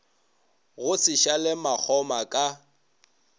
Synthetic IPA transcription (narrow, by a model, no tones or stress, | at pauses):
ɣʊsɪʃalɪmak͡xʰɔmakʼa